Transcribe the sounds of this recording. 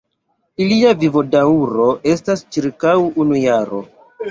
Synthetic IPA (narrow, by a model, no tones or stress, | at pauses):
iliavivo̞dauɾo̞ʔe̞stast͡ʃiɾkawunujaɾo̞̰